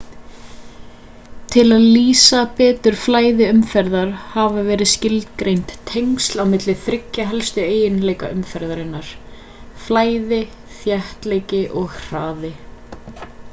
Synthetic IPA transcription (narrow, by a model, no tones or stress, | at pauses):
t̪ʰɪlaðliːsapɛːt̪ʏɾ̥flaːjðɪʏmfɛɾðaɾ̥haːvavɛːɾɪðscɪlt̪kɾejnt̪ʰːejŋst̪lawmɪt̪lɪθɾɪcːaɦɛlst̪ʏeːjɪnlejkaʏmfɛɾðaɾɪnːaɾ̥ | flaːjðɪ | θjɛht̪leːjcɪʔɔɣr̥aːðɪ